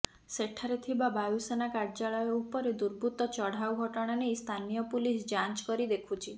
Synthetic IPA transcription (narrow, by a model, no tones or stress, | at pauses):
seʈʰaɾet̪ʰibabajusenakaɾd͡ʒaɭɔjɔupɔɾed̪uɾbʱut̪ɔt͡ʃɔɽ̤awɡʱɔʈɔɽ̃anest̪ʰanijɔpulisd͡ʒant͡ʃkɔɾid̪ekʰut͡ʃʰi